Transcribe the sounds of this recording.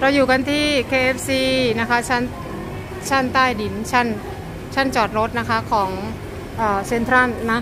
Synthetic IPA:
ɾa˧wjuː˨˩ka˧nt̪ʰiː˥˩kʰeː˧ʔe˦˥p̚siː˧na˦˥kʰa˦˥t͡ɕʰa˥˩n | t͡ɕʰa˥˩nt̪aː˥˩jdi˩˦nt͡ɕʰa˥˩n | t͡ɕʰa˥˩nt͡ɕɔː˨˩t̪̚ɾo˦˥t̪̚na˦˥kʰa˦˥kʰɔː˩˦ŋ | ʔɤː˨˩se˧nt̪ʰɾa˥˩nːa˦˥

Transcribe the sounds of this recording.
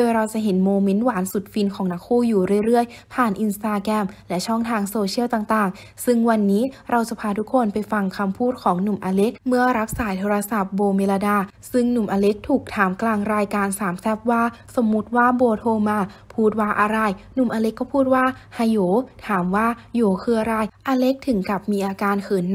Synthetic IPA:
dɤː˧˩ɾa˧wt͡ɕa˧˩ʔɦe˩˦nmoː˧me˦˥nwaː˩˦nsu˨˩t̪̚fi˧nkʰɔː˩˦ŋna˧˥kʰːuː˥˩juː˨˩ɾɯ˥˩əjɾɯ˥˩əj | pʰaː˨˩nʔi˧nst̪aː˧kɛ˧˥mlɛ˦˥t͡ɕʰɔ˥˩ŋt̪ʰaː˧ŋsoː˧t͡ɕʰi˥ə˨wt̪aː˨˩ŋt̪aː˨˩ŋ | sɯ˧˥˩ŋwa˧nːiː˦˥ɾa˧wsa˧pʰaː˧t̪ʰu˦˥kʰːo˧npa˧jfa˧ŋkʰa˧mpʰuː˥˩t̪̚kʰɔː˩˦ŋnu˨˩mʔaː˧le˦˥k̚mɯ˥˩ɐɾa˦˥p̚saː˩˦jt̪ʰoː˧ɾa˧sa˨˩p̚boː˧me˧la˧daː˧˩ | sɯ˥˩ŋnu˨˩mʔaː˧le˦˥k̚t̪ʰuː˨˩k̚t̪ʰaː˩˦mklaː˧ŋɾaː˧jkaː˧nsaː˩˦msɛ˦˥p̚waː˥˩so˩˦mːu˦˥t̪̚waː˥˩boː˧t̪ʰoː˧maː˧pʰuː˥˩t̪̚waː˥˩ʔaː˧ɾa˧˩jnu˨˩mʔaː˧le˧˦˥kːɔː˥˩pʰuː˥˩t̪̚waː˥˩ha˧joː˩˦t̪ʰaː˩˦mwaː˥˩joː˨˩˦kʰɯː˧ɐ˧ɾaː˧˩jʔaː˧le˦˥k̚t̪ʰɯ˩˦ŋka˨˩p̚miː˧ʔaː˧kaː˧nkʰɯː˨˩˦n

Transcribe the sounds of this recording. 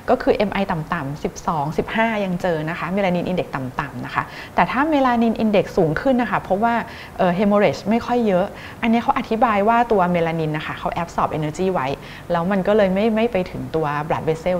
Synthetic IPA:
kɔː˥˩kʰɯː˧ʔe˧mʔa˧jt̪a˨˩mt̪a˨˩msi˨˩p̚sɔː˩˦ŋsi˨˩p̚haː˥˩ja˧ŋt͡ɕɤː˧na˦˥xʰa˦˥meː˧laː˧ni˧nʔi˧nde˨˩k̚t̪a˨˩mt̪a˨˩mna˦˥kʰa˦˥ | t̪ɛː˨˩t̪ʰaː˥˩me˧laː˧ni˧nʔi˧nde˨˩k̚suː˩˦ŋkʰɯ˥˩nːa˦˥kʰa˥˩pʰɔ˦˥waː˥˩ | ʔɤː˨˩ɦe˧moː˧ɾe˨˩t͡ɕma˥˩jkʰɔ˥˩jːɤ˦˥ʔ | ʔa˧nːi˦˥kʰa˦˥wʔa˨˩t̪ʰi˦˥baː˧jwaː˥˩t̪u˧ɐmeː˧laː˧ni˧nːʔa˧˩kʰa˥˩kʰa˦˥wʔɛ˦˥p̚sɔː˨˩p̚ʔe˧nəː˧t͡ɕiː˥˩wa˦˥j | lɛː˦˥wma˧nkɔː˥˩lɤː˧jma˥˩jma˥˩jpa˧jt̪ʰɯ˨˩˦ŋt̪u˧ɐblaː˨˩t̪̚beː˧˥se˥˩

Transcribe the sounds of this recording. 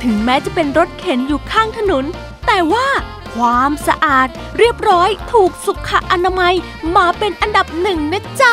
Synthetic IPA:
t̪ʰɯ˩˦ŋmɛː˦˥t͡ɕa˨˩pe˧nɾo˦˥t̪̚kʰe˩˦njuː˨˩kʰaː˥˩ŋt̪ʰa˧no˩˦n | t̪ɛː˨˩waː˥˩ | kʰwaː˧msa˧ʔaː˨˩t̪̚ɾi˥˩əp̚ɾɔː˦˥jt̪ʰuː˨˩k̚su˨˩kʰːa˧˩ʔa˧na˧ma˧j | maː˧pe˧nʔa˧nda˨˩p̚nɯ˨˩ŋna˦˥t͡ɕa˦˥˩

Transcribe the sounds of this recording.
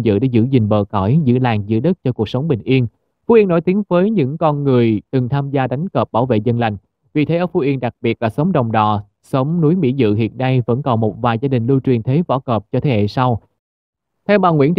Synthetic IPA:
zɨ̰˧˨ɗḛ˧˥zɨ̰˧˥zï˨˩ŋ̟ɓəː˨˩kɔ˧˩jzɨ̰˧˥laː˨˩ŋzɨ̰˧˥əɗə˦˥t̚t͡ɕɔ˧ku˨˩ək̚sə˨˦wŋ͡mɓï˨˩ŋ̟ʔi˧ən | fu˨˥ʔi˧nːo̰˧˥jt̪i˨˦ənvəː˨˦jɲɨ̰˧˥ŋkɔ˧nŋɨ˨˩əjt̪ɨ˨˩ŋt̪ʰaː˧mzaː˧ɗa˨˦jŋ̟kəː˨˩p̚ɓaː˧˩wvḛ˧˨zə˧nla˨˩jŋ̟ | vi˨˩t̪ʰe˨˦ʔəː˧˩fu˧˦ʔi˧ənɗa˨˩k̚ɓi˨˩ət̚laː˨˩sə˨˦wŋ͡mɗə˨˩wŋ͡mɗɔ̰˧˨ | sə˨˦wŋ͡mnu˨˦jmḭ˧˥zɨ̰˧˨ɦḭ˧˨ənːa˧jvə̰˧˥nkɔ˨˩nmo˨˩t̚vaː˨˩jzaː˧ɗï˨˩ŋ̟lu˧t͡ɕwi˨˩ənt̪ʰe˨˦vɔ̰˧˥kəː˨˩p̚t͡ɕɔ˧t̪ʰe˨˩hḛ˧˨sa˧w | t̪ʰɛ˧wmɓaː˨˩ŋwḭ˧˥nt

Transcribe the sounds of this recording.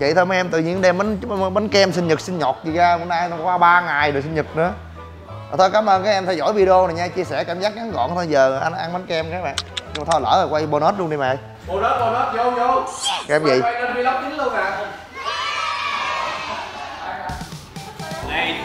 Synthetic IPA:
vḭ˧˨t̪ʰo˧m˨˦ʔɛ˧mt̪ɨ˨˩ɲɨ̰˧˥ŋɗɛ˧mːa˨˦n˧ɓa˨˦nkɛ˧msi˧n̟ɲɨ˨˩t̚sï˧ŋ̟ɲɔ˨˩t̚t͡ɕi˨˩ɣaː˧˨o˧˩˦naː˧jnɔ˧˩kwaː˧ɓaː˧ŋaː˨˩jɗɨː˨˩si˧n̟ɲɨ˨˩t̚nɨ̰˧˥ə | ʔʔəː˨˩t̪ʰo˧jkaː˨˦mʔəː˧nkaː˨˦˥ʔɛ˧mt̪ʰjzɔ̰˧˩˨jvi˧ɗo˧na˨˩ɲaː˧t͡ɕi˧əsɛ˧˩kaː˧˩mzaː˦˥k̚ŋa˨˦ŋɣɔ̰˧˨nt̪ʰo˧jzəː˨˩˨ʔa˧nʔa˧ŋɓa˨˦nkmkaː˨˦jɓa̰ː˧˨nɲɨ˧ŋ͡mma˨˩t̪ʰɔ˧lə̰ː˧˩lə˨˩kwa˧jɓo˧nɔ˦˥t̚lu˧nɗi˧˩ma̰˨˩˨j | o˧no˦˥t̚ɓo˧no˦˥t̚jzo˧kɛ˨˧˦pvḭ˨˧˨ə˧i˧la˦˥p̚t͡ɕi˨˦ŋlu˧kaː˨˩˧

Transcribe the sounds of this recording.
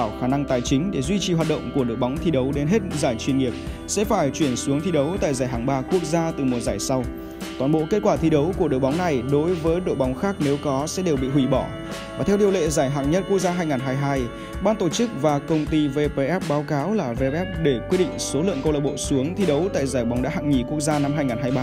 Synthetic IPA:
a˧˩wxaː˧˩na˧ŋt̪aː˨˩jt͡ɕï˨˦ŋ̟ɗe˧˩zwi˧t͡ɕi˨˩hwaː˨˩t̚ɗə̰˧˨wŋ͡mku˧˩əɗɨ̰˧˨jɓa˨˦wŋ͡mt̪ʰi˧ɗə˨˦wɗe˨˦nɦe˦˥t̚zaː˧˩jt͡ɕwi˧ənŋi˨˩əp̚ | sɛ̰˧˥faː˧˩jt͡ɕwi˧˩ənsu˨˦əŋt̪ʰi˧ɗə˨˦wt̪a̰ː˧˨jzaː˧˩jɦaː˨˩ŋɓaː˧ku˦˥ək̚zaː˧t̪ɨ˨˩mo˨˩t̚zaː˧˩jsa˧w | t̪waː˨˧˩nɓo̰˧˨ke˦˥t̚kwaː˧˩t̪ʰi˧ɗə˨˦wku˧˩əɗɨ̰˧˨jɓa˨˦wŋ͡mna˨˩jɗo˨˦jvəː˨˦jɗo̰˧˨jɓɔ˨˦wŋ͡mxaː˦˥k̚ne˨˦wkɔ˨˦sɛ̰˧˥ɗe˨˩wɓḭ˧˨wi˧˩ɓɔ˧˩ | vvaː˨˩t̪ʰɛ˧wɗi˧əwlḛ˧˨zaː˧˩jɦaː˧˨˩ŋ̚ɲə˦˥t̚ku˦˥ək̚zaː˧ɦaː˧jŋaː˨˩nɦaː˧jɦaː˧j | ɓaː˧nt̪o˧˩t͡ɕɨ˦˥k̚vaː˨˩kə˧wŋ͡mt̪i˧ve˧pe˧ʔɛ˦˥p̚ɓaː˨˦wkaː˨˦wlaː˨˩ve˧ʔɛ˦˥p̚ɗe˧˩kwi˦˥əɗḭ˧˨ŋ̟so˨˦lɨ̰˧˨əŋkə˧wləː˧˨˩ɓo̰˧˨su˨˦əŋt̪ʰi˧ɗə˨˦wt̪a̰ː˧˨jzaː˧˩jɓɔ˨˦wŋ͡mɗa̰ː˧˦ɦa̰ː˧˨ŋɲi˨˩ku˦˥ək̚zaː˧na˧mɦaː˧jŋaː˨˩nɦaː˧jɓaː˧

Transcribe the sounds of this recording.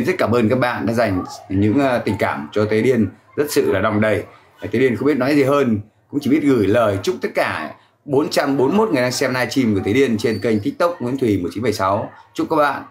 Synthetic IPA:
nzə˦˥t̚kaː˧˩mʔəː˧nkaː˦˥k̚ɓa̰ː˧˨nɗa̰ː˧˥za˨˩jŋ̟ɲɨ̰˧˥ŋ˧t̪ï˨˩ŋ̟kaː˧˩mt͡ɕɔ˧t̪ʰe˨˦ɗi˧ən | zə˦˥t̚sɨ̰˧˨laː˨˩ɗa˨˩wŋ͡mɗə˨˩j | t̪e˨˦i˧ənxŋ͡mɓt̚nɔ˨˦jzi˨˩ɦəː˧n | kʊ̰˧˥ŋ͡mt͡ɕi˧˩ɓi˦˥ət̚ɣɨ˧˩jləː˨˩jt͡ɕʊ˦˥k͡p̚t̪ə˦˥t̚kaː˧˩ | ɓo˨˦nt͡ɕa˧mɓo˨˦nmo˦˥t̚ŋɨ˨˩əjɗaː˧ŋsɛ˧mnaː˧jt͡ɕi˧mku˧˩t̪ʰe˨˦ɗi˧ənt͡ɕe˧nkə˧jŋ̟t̪ʰi˦˥k̚t̪ə˦˥k͡p̚ŋḭ˨˧˥ənt̪ʰwi˨˩mo˨˩t̚t͡ɕi˨˦nfə˨˩jsa˨˦wt͡ɕʊ˦˥k͡p̚kaː˦˥k̚ɓa̰ː˧˨n

